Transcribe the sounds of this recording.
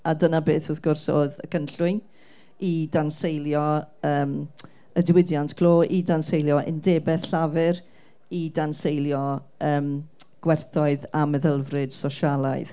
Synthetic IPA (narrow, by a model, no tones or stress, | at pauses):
adənabeːθɔθɡ̥ʊrsoːðəkʰənɬʊɨn | idansejlˠjɔəːm | ədɪwɪdjantʰkʰl̥ˠoːʔidansejlˠjɔʔɪ̰ndeːbɛθɬavɨɾ | idansejljɔ | əːmɡ̥wɛrθɔɨðaməðəlˠvrɨd̥sɔʃalˠaɨð̥